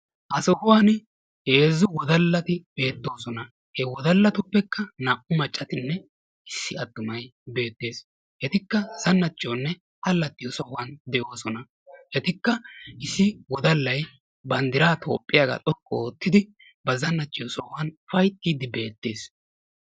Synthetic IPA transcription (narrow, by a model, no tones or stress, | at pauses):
ʔɐsɔhʊwɐn | heːzːʊwɔd̪ɐlːɐt̪ɪb̥e̞ːt̪ːo̞ːsɔnɐ | hɛwɔd̪ɐlːɐt̪ʊpːɛkːɐnɐʔʊmɐt͡ʃʼːɐt̪ɪnːɛ | ɪsːɪɐd̪ːʊmɐjbe̞ːt̪ːe̞ːs | hɛt̪ɪkːɐz̥ɐnːɐt͡ʃːɪonːɛ | tɐlːɐt̪ːɪjɔsɔhwɐnd̪ɛʔo̞ːsɔnɐ | hɛt̪ɪkːɐʔɪsːɪwɔd̪ɐlːɐj | bɐnd̪ɪɾaːt̪ʰo̞̰ːpʼːɪjaɡɐ̰t̪ʼɔkʼːoːt̪ːɪd̪ɪ | bɐzɐnːɐt͡ʃːɪjɔsɔhʊɐnfɐjt̪ːiːd̪ɪbe̞ːt̪ːe̞ːs